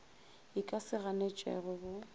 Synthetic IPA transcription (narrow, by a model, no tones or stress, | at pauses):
ɪkʼasɪɣanɛt͡ʃʼɛ̰ɣʊbʊ